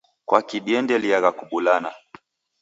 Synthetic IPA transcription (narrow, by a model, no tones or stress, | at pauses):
kwakiɗiɛndɛliaɣakuɓulana